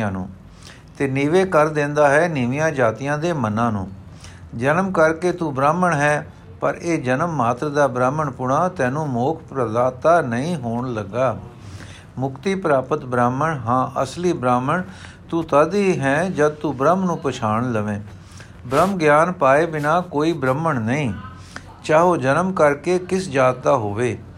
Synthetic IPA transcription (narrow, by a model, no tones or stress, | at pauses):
ãːnṵ̃ː | t̪eːniːʋeːkəɾd̪ẽːnd̪aːɦɛːnɪʋɪjãːd͡ʒaːt̪ijãːd̪eːmənãːnṵ̃ː | d͡ʒənəmkəɾkeːt̪uːbɾaːməɳɦɛː | pəɾeːd͡ʒənəmːaːt̪ɾəd̪aːbɾaːməɳpʊɽãːt̪ɛ̃ːnũːmoːkʰpɾəd̪aːt̪aːnəĩːɦoːɳləɡːaː | mʊkt̪iːpəɾaːpət̪bɾaːməɳɦãːʔəsliːbɾaːməɳ | t̪uːt̪əd̪iːɦɛ̃ːd͡ʒəd̪̚t̪uːbɾəmnũːpət͡ʃʰaːɳləʋẽː | bɾəmɡjaːnpaːeːbɪnaːkoːiːbɾəməɳnəĩː | t͡ʃaːɦoːd͡ʒənəmkəɾkeːkɪsd͡ʒaːd̪̚t̪aːɦoːʋeː